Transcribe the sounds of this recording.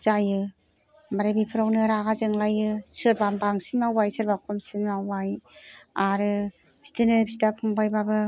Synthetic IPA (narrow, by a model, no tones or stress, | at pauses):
z̥ajɯ | maɾabipʰɯɾawnɯɾaɡazɯŋlajɯsɯɾbambaŋsinmawajsɯɾbakʰɔmsinmawajaɾɯ | b̥i̥stɯnɯbisdapʰuŋbajbabɯ